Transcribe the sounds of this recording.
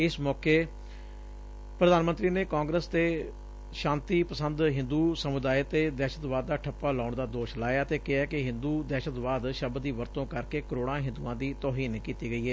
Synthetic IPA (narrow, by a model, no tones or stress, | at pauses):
ɪsmɔːkeː | pɾəd̪aːnmənt̪ɾiːneːkãːŋɡɾəst̪eː | ʃãːnt̪iːpəsənd̪ɦɪ̃nd̪uːsəmʊd̪aːjt̪eːd̪ɛːʃət̪ʋaːd̪̚ːaːʈʰəpːaːlaːʊɳd̪aːd̪oːʃlaːjaːt̪eːkɪaːkɪɦɪ̃nd̪uːd̪ɛːʃət̪ʋaːd̪ʃəbd̪iːʋəɾt̪õːkəɾkeːkəɾoːɽãːɦɪ̃nd̪uːãːd̪iːt̪ɔːɦiːnkiːt̪iːɡəiːɦɛː